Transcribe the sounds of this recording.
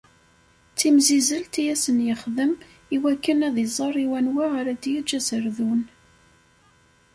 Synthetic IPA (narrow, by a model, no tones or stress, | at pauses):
t͡sːimzizəlt̪ijæsənjəχðəm | iwækːənæðizˤɑrˤiwænwaʁaɾæd̪jid͡ʒːæsəɾðun